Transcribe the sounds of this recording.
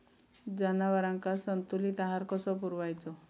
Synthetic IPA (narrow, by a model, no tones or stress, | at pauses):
d͡zanaʋaɾaŋkasənt̪ulit̪aɦaɾkɔsɔp̬uɾʋajt͡sɔ